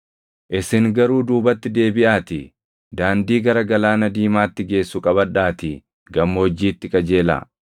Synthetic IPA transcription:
ʔɪsɪŋɡɐɾuːd̪uːbɐt̪ːɪd̪e̞ːbɪʔaːt̪ɪ | d̪aːnd̪iːɡɐɾɐɡɐlaːnɐd̪iːmaːt̪ːɪɡe̞ːsːʊkʼɐbɐᶑaːt̪ɪ | ɡɐmːɐɔd͡ʒːiːt̪ːɪkʼɐd͡ʒe̞ːla̰ː

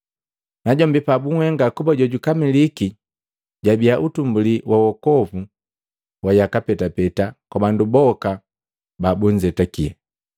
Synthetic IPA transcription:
naɟɔmbipabuŋwɛŋɡakubaɟɔɟukamiliki | ɟabiaʔutumbuliwʔawɔkɔvu | wajakapɛtapɛtakwabandubɔka | babuɲd͡ʒɛtakiɛ̰

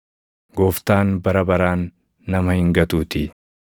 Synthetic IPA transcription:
ɡoːft̪aːnbɐɾɐbɐɾaːnː | ɐmɐhɪŋɡɐt̪uːt̪ɪ

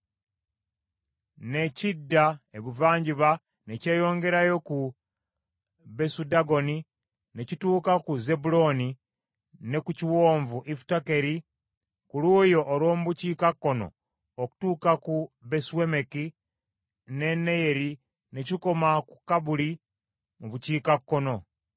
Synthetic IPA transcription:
ne̞cidːaeβuvaːɲɟiβa | ne̞ce̞ːjo̞ːŋɡe̞ɾajo̞ku | βe̞sudaɡo̞ni | necituːkakuze̞bulo̞ni | ne̞kuciwoːɱvuʔiftake̞ɾi | kuluːjo̞ʔːɾwo̞ːmuβuciːkakːo̞no̰ | oku̥tuːkakuβesuwemeki | ne̞nːe̞je̞ɾi | ne̞ciko̞makukaβuli | muβuciːkakːo̞no̞

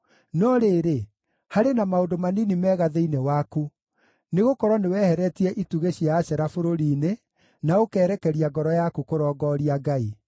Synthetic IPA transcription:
nɔɾeɾe | haɾenamaondomaninimɛːɣaðeinewaku | neɣokɔɾwɔnewɛhɛɾɛtiɛʔituɣeɕiaːɕɛɾafoɾoɾiːne | naokɛːɾɛkɛɾiaɡɔɾɔjakukoɾɔːɡɔɾiaɡai

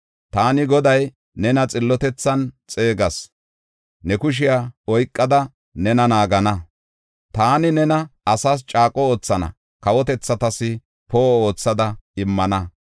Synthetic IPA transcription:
t̪aːnɪɡɔd̪ɐj | nɛnɐt͡sʼɪlːɔt̪ɛt͡sːɐnt͡sʼe̞ːɡɐs | nɛkʊʃ̬ɪjaɔjkʼːɐd̪ɐ | nɛnɐnaːɡɐnɐ | t̪aːnɪnɛnɐɐsaːs̬t͡ʃʼaːkʼɔo̞ːt͡sːɐnɐ̰ | kɐwɔt̪ɛt͡sːɐt̪ɐsɪ | poːo̞ːt͡sːɐd̪ɐɪmːɐnɐ

